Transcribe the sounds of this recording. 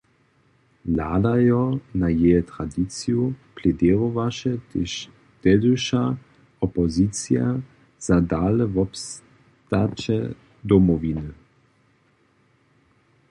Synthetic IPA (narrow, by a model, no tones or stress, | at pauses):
laːdajɔnajɛɛt̪ʁadit͡sjuplɛdɛːʁovaʃɛt̪eʃ | d̪̥ɛd̪uʃa | ɔpɔzit͡sja | z̥adaːlɛvɔps | t̪at͡ʃɛ | d̪ɔmɔvinə